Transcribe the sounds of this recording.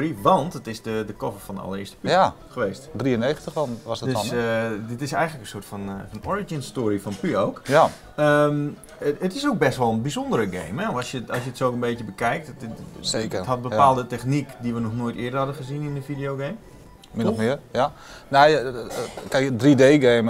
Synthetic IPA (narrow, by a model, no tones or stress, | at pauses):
riʋɑntətɪsdədəkɔfərfɔndəɑ̰lˠəɪəstə̥pya | xəʋeːstdriəneːxən̩təxɔnʋɔsədøsdɪtɪsɛjɣənləkənsoətfɔnfɔnɔɹid͡ʒinstoːɾifɔnpyowkja | əm | ətɪsowk̚bɛstʋɔlˠənbizondəɾəɡḛjmɛɔsjəɔsjətsokənbetjəbəkɛjk̚tsekəthɔt̚bəpaːlˠdətɛxnikdiʋənɔxnoːjtɪədərhɑdəχəzinɪndəfidijoɡeːm | mɪnmɪəja | nej | kɛjkdrideːɡeːmə